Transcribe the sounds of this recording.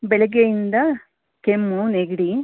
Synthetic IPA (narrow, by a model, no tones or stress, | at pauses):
belɐɡejind̪ɐ | kemːuneɡiɽi